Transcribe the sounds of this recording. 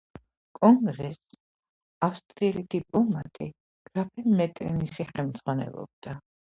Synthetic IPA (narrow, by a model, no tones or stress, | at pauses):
kʼɔŋɡɾɛs | afst̪ʼɾilit̪ʰipʼɔmat̪ʼi | ɡ̥ɾapʰɛmɛt̪ʼɾɛ̰nisiχɛmd̪z̥ʁwanɛ̰lˠɔ̰b̚d̪̥a